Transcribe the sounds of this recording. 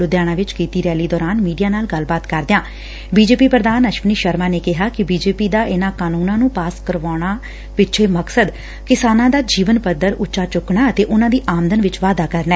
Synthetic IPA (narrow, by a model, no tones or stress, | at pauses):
ʊd̪jaːɽ̃ãːʋɪt͡ʃkiːt̪iːɾɛːliːd̪ɔːɾaːnmiːɖijaːnaːlɡəlbaːt̪kəɾd̪ɪjãː | biːd͡ʒeːpiːpɾəd̪aːnəʃʋniːʃəɾmaːneːkɪɦaːkɪbiːd͡ʒeːpiːd̪aːʔɪnãːkaːnũːnãːnũːpaːskəɾʋaːɽ̃aː | pɪt͡ʃʰeːməksəd̪ | kɪsaːnãːd̪aːd͡ʒiːʋənpəd̪əɾʊtːʃaːt͡ʃʊkɳaːət̪eːʔʊnãːd̪iːʔaːmd̪ənʋɪt͡ʃʋaːd̪aːkəɾnɛː